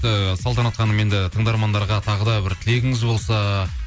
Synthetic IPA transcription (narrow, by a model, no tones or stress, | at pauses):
t̪ɪsɑlˠt̪ɑnɑt̪qɑnəme̞nd̪ɪt̪ʰəɴd̪ɑɾmɑnd̪ɑɾʁɑt̪ʰɑʁəd̪ɑbɪɾt̪ʰɪle̞ɡʲɪŋɪzbo̞lˠsɑ